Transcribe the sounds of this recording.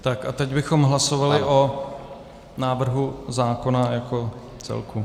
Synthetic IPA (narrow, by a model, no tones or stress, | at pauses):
t̪akat̪ɛɟbɪxo̞mɦlaso̞valɪʔo | naːvr̩ɦuzaːko̞najako̞ | t͡sɛ̰lkʰu